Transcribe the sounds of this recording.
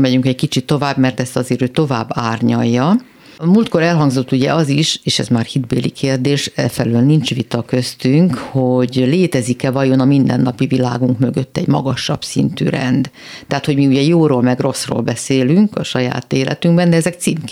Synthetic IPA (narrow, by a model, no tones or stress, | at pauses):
mɛɟyŋkɛckit͡ʃit̪ːo̞vaːbmɛrt̪ɛst̪ɒzeːɾøːt̪o̞vaːbːaːrɲɒjːɒ | muːlt̪ko̞ɾɛlɦɒŋɡzo̞t̪ːuɟɛ̰ɒziʃeːʃɛ̰zmaːrhid̪bḛːlḭkʰeːrd̪eːʃɛfɛløːlnint͡ʃʋit̪ɒkø̞st̪yŋkhoɟleːt̪ɛzikɛvɒjonɒmind̪ɛ̰nːɒpivila̰ːɡuŋkmø̞ɡøt̪ːɛ̰ɟmɒ̰ɡɒʃːɒ̰bsḭnt̪y̰ɾɛ̰nd̪ | t̪ɛɦaːt̪hoɟmiuɟɛjoːɾoːlmɛɡro̞sro̰ːlbɛseːlyŋkɒʃɒja̰ːt̪eːlɛ̰t̪yŋɡbɛnd̪ɛɛzɛkt̪siːmk